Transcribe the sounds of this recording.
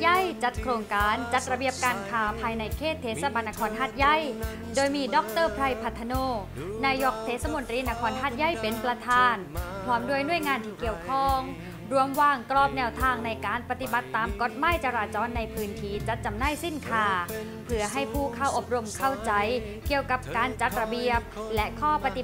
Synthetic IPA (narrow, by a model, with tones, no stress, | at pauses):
ja˥˩jt͡ɕa˨˦˥t̪̚kʰɾoː˧ŋkaː˨˧nt͡ɕa˧˦˥t̪̚ɾa˧bi˧˩əp̚kaː˧nkʰaː˧˩pʰaː˧jna˧jkʰeː˥˩t̪ʰːeː˨˦˥t̪̚sa˧ba˧nːa˧kʰɔː˧˥nɦaː˥˩t̪̚ja˥˩j | doː˧jmiː˧dɔ˧˦˥k̚t̪ɤː˥˩pʰɾa˧jpʰa˧t̪ʰːa˧noː˧˩ | naː˧jo˧˩k̚t̪ʰeː˦˥t̪̚sa˧mo˧nt̪ɾiː˧na˧˥kʰɔː˧nɦaː˥˩t̪̚ja˥˩jpe˨˦npɾa˧t̪ʰaː˧npʰɾɔː˧˦˥mdu˧˥˩əjnu˥˩əjŋaː˧nt̪ʰiː˧˩ki˨˧˩əwkʰɔ˥˩ŋ | ɾu˧˥əmwaː˧ŋklɔː˧˩p̚nɛː˧wt̪ʰaː˧ŋna˧jkaː˧npa˧t̪i˧ba˨˦t̪ːaː˧mko˨˥t̪̚ma˥˩jt͡ɕaː˧ɾaː˧t͡ɕɔː˧nːa˧jpʰɯː˧nt̪ʰiː˦˥˩t͡ɕa˧˦t̪̚t͡ɕa˧mnaː˥˩jsi˥˩nkʰaː˧˩ | pʰɯ˨˧˥ɐɦa˥˩jpʰuː˥˩kʰa˧˥˩wʔo˨˩p̚ɾo˧mkʰa˥˩wt͡ɕa˧˦˥j | ki˨˩əwka˨˩p̚kaː˧nt͡ɕa˨˧˦t̪̚ɾa˧bi˨˩əp̚lɛ˦˥ʔkʰɔː˥˩pa˧t̪i˧˨